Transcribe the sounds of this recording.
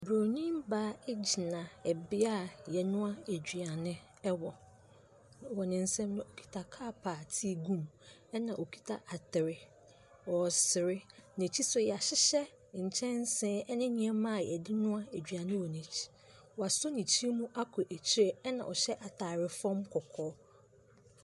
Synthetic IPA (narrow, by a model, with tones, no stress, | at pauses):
bɾo˨nĩ˦mbaː˦e˦d͡ʑi˨nã˨ɛ˨bɪ˦a˦˨jɛ˨nʊ̃˦a˦e˨d͡ʑᶣɥa˨nɪ̃˦ | ɛ˦wɔ˨ | wɔ˨nɪ̃˨n̩˦sɛ̃˦mnʊ̃˦o˨kʰi̥˦tʰa˨kʰaː˦pʰaː˨tʰi˦e˨ɡũ˦˨m | ɛ˦nã˨ʔo˨kʰi̥˦tʰa˨ʔa˨tʰɪ˨ɾɪ˨ | wɔ˨sɪ˨ɾɪ˦nẽ˨t͡ɕʰi˦sʊ˨jɛ˨a˨ɕɪ˦ɕɛ˦ | ɲ̩˨t͡ɕʰɛ̃˦n˦sɛ̃ː˦ɛ˦nɪ̃˦ɲĩ˨ɛ˦mã˦˨jɛ̰˨dɪ˦nʊ̃˦a˦æ˨d͡ʑᶣɥa˨nɪ̃˦wɔ˨nẽ˨t͡ɕʰi̥˨ | wɔ˨a˨sʊ˦nĩ˨t͡ɕʰi˦e˦mũ˦ʔa˦kʰʊ˨ʔæ˨t͡ɕʰi˦ɾe˦ɛ˦nã̰˨ʔɔ˨ɕɛ˦ʔa˨tʰaː˨ɾɪ˨fɔ̃˦mkʰɔ˨kʰɔː˦